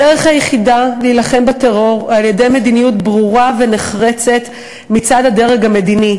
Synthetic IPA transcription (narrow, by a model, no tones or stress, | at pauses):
deʁeχhajeχidaliːlaχe̞mbateʁo̞ʁaljede̞jme̞d̪inijutbʁuʁave̞neχʁet͡se̞t | mit͡sad̪hade̞ʁeɡame̞d̪ini